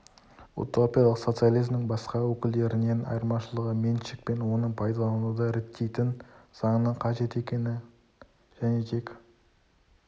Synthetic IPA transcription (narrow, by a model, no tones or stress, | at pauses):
ṵt̪ʰopijɑlˠəqso̞t̪sɨjalˠijzmnɪŋbɑsqɑwɵkʲɪld̪e̞ɾɪne̞nɑ̰jɾmɑʃəlˠəʁəmenʃɪk̚pe̞nwo̞nəɴpʰɑjd̪ɑlˠɑnud̪ɑɾet̪ʰːe̞jt̪ɪnz̥ɑɴənɑɴqʰɑʒe̞t̪e̞kʲe̞nɪ | ʒ̥æne̞t̪ʰe̞k